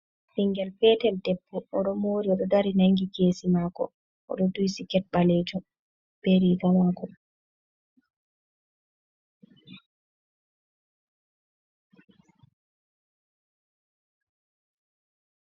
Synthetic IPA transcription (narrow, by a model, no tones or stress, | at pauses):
siŋɡɛlfɛːtɛldɛpːɔʔɔɗɔmoɾiɔɗɔdaɾinaŋɡikeːsimakɔ̰ | ʔɔ̰ɗɔdujsikɛt̚ɓaled͡ʒum | b̥eɾiɡamakɔ